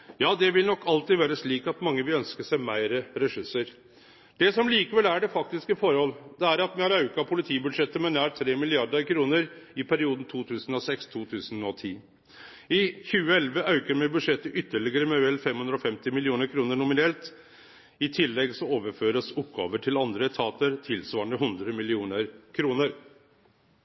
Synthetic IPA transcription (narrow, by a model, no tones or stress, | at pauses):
jɑːd̪ɛʋɪlnɔkːɑlt̪iːd̪ʋæːɾəsliːkɑt̪mɑŋːəʋɪlœnskəʂæɪmæɪɾəɾɛsʉsəɾ | d̪̥ɛsɔmliːkəʋɛlæɖɛfɑk̚t̪ɪskəfɔɾəhɔlːd̪̥ɛæɾɑt̪mɛhɑɾɑʉkɑpʰʊlɪt̪ʰiːbʉd̪ʂɛt̪ːəmɛnæːɾt̪ʰɾeːmɪlɪɑɾd̪əɾkʰɾuːnəɾɪpʰæɾɪuːd̪n̩t̪ʰuːt̪ʰʉːsənɔsɛkst̪ʰuːt̪ʰʉːsənɔt̪ʰiː | ɪçʉːəɛlʋəʔɑʉkəɾmɛɪbʉd̪ʂɛt̪ːəʔʏt̪ːəɭɪɡəɾəmɛʋɛlfɛmhʉnɾɔfɛmt̪ɪmɪlɪuːnəɾkʰɾuːnəɳʊmɪnɛlt̪ | ɪt̪ʰɪlːɛɡsɔoːʋəɾføːɾəsʊpːɡɑ̰ːʋəʈʰɪlɑnd̪ɾət̪ʰɑːt̪əɾt̪ʰɪlsʋɑːɳəɦʉnd̪ɾəmɪlɪuːnəɾkʰɾuːnəɾ